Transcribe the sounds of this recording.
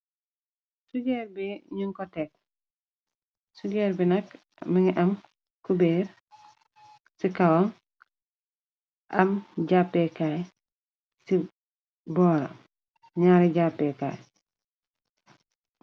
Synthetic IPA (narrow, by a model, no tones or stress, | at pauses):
suɟeɾbiɲiŋkɔtek̚ | suɡeːɾbinɐk | miŋiʔam | kubeːɾ | sikawoŋ | ʔɐ̰mɟapːekaj | si | bɔːɾa̰ | ɲaːɾiɟapːeːka̰j